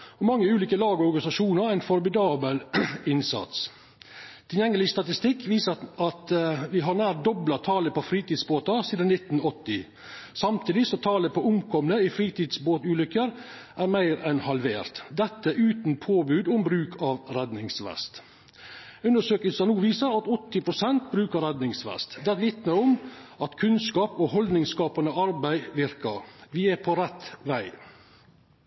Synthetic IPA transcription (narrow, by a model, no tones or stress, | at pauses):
ɔmɑŋːəʉːliːkəlɑːɡɔɔɾɡɑnɪsɑʂuːnəɾæɪnfɔɾmɪd̪ɑːbəlɪnsɑ̰t̪s | t̪ʰɪljɛŋːəlɪst̪ɑt̪ɪst̪ɪkʰːʋiːsəɑt̪ʋɪɦɑɾnæːɾ̚d̪ɔblɑt̪ʰɑːləpɔfɾiːt̪ɪd̪sboːt̪ɑsiːd̪ənnɪt̪ːn̩ɔt̪ːɪ | sɑmt̪ʰiːd̪ɪsɔt̪ʰɑːləpʰɔʊmkʰɔmnəɪfɾiːt̪id̪sboːt̪ʉːlʏkːəɾ | ʔæɾmæɪɾɛnhɑlʋeːɾt̪d̪ɛt̪ːəʔʉːt̪n̩pʰoːbʉːd̪ʊmbɾʉːkʰɑʋɾɛd̪nɪŋsʋɛ̰st̪ | ʉnəʂøːkəlsənuːʋiːsəɾɑt̪ɔt̪ːɪpʰɾʊsɛnt̪bɾʉːkəɾɛd̪nɪŋsʋɛ̰st̪d̪ɛt̪ʋɪt̪nəʊmɑt̪kʰʉnskɑːpoːɦɔld̪nɪŋskɑːpənəɑɾbæɪʋɪɾkɑʋɪæpʰɔɾɛt̪ʋæɪ